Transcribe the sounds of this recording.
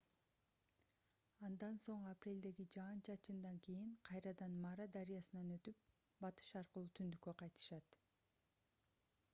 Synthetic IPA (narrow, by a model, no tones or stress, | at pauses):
ɑnd̪ɑnso̞ɴɑprʲe̞ld̪e̞ɡid͡ʒɑːnt͡ʃɑt͡ʃɯnd̪ɑŋkijiɴqʰɑjɾɑd̪ɑnmɑɾad̪ɑɾijɑsɯnɑnø̞t̪yp̚ | bɑt̪ɯ̥ʃɑɾqəlˠut̪ʰynd̪ykːø̞qʰɑjt̪ɯ̥ʃɑt̪